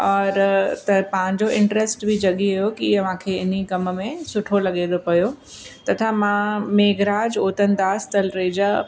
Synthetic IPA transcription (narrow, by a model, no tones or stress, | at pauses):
ɔːɾt̪ɐpãɪ̃ɲd͡ʑoʔɪ̃ɳʈɾesʈbʱid͡ʑɐɠiɐɦjokiɐʋ̤ãkʰeːɪnikɐməmẽsʊʈʰolɐɠẽːd̪opɐjo | t̪ɐt̪ʰãmãmeːɡɾaːd͡ʑoːt̪ənd̪aːst̪ɐlɾeːd͡ʑaː